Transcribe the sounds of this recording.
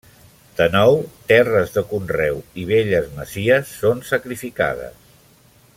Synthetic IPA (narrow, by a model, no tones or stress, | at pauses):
d̪̥ənɔwt̪ɛrəzðəkunrɛwiβ̞eʎəzməziəsːonsəkɾifika̰ð̞ə̰s